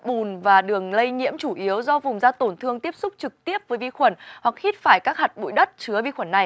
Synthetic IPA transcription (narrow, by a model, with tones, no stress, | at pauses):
ɓu˨˩nvaː˨˩ɗɨ˨˩əŋlə˧jɲḭ˧˥əmt͡ɕu˧˩ʔi˨˦əwzɔ˧vʊ˨˩ŋ͡mzaː˧t̪o˧˩nt̪ʰɨ˧əŋt̪i˦˥əp̚sʊ˦˥k͡p̚t͡ɕɨ˨˩k̚t̪i˦˥əp̚vəː˨˦jvi˧xwə˧˩nwa˨˩k̚hi˦˥t̚faː˧˩jkaː˦˥k̚ha˨˩t̚ɓṵ˧˥jɗə˦˥t̚t͡ɕɨ˨˦əvi˧xwə˧˩nːa˨˩j